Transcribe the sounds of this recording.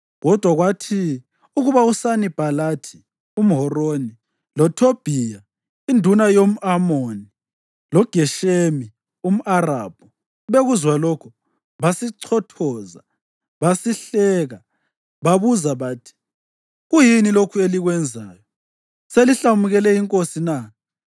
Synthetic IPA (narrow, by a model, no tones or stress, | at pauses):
ɣɔd̥ʱwaɣwatʰi | uɣuβausanib̥ʱalatʰi̥ | um̩ɦɔroni | lɔtʰob̥ʱija | indʱunajom̩ʔamoni | lɔɡ̥ʱɛʃemi | um̩ʔara̰b̥ʱɔ | βeɣuzwalɔkʰu | βasiǀʰɔtʰɔːza̰ | βasiɬɛːɣa | βaβuzaβaːtʰi̥ | ɣujinilokʰueliɣwɛnd͡zʱaːjɔ | seliɬamuɣɛlɛiŋkʼosina